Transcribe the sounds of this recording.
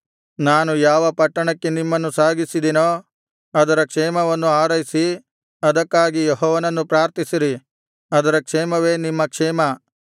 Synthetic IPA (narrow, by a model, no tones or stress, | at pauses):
naːnujaːʋɐpɐʈːɐɳɐkːe̞nimːɐnːusaːɡisid̪inoː | ɐd̪ɐɾɐkʂɛːmɐʋɐnːuaːɾɐjisi | ɐd̪ɐkːaːɡijeɦɔːʋɐnɐnːupɾaːɾt̪isiɾi | ɐd̪ɐɾɐkʂɛːmɐʋe̞ːnimːɐkʂɛːmɐ